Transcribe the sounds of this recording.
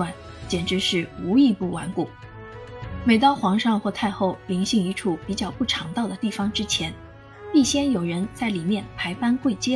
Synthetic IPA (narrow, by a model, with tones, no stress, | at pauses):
wa˥˩n | t͡ɕjɛ˨˩nʈ͡ʂɻ̩˧˥ʂɻ̩˥˩u˧˥i˥˧pu˥˩wa̰˧˥nku˨˩˦ | me˨˩ɪt̪ɑ˥ʊxwɑ˧˥ŋʂɑ˥˧ŋxwɔ˥˧t̪ʰa˥˧ɪxo˥˩ʊli˧˥ŋɕi˥˧ŋi˧˥ʈ͡ʂʰu˥˩pi˨˩t͡ɕjɑ˥˩˧ʊpu˥˩ʈ͡ʂʰɑ˧˥ŋt̪ɑ˥˩ʊd̪ə˩t̪i˥˩fɑ˩ŋʈ͡ʂɻ̩˥t͡ɕʰjɛ˧˥n | pi˥˩ɕjɛ˥njo˨˩ʊɻə˧˥nt͡sa˥˩ɪli˨˩mjɛ˥˩npʰa˧˥ɪpa˥nkwe˥˩ɪt͡ɕjɛ˥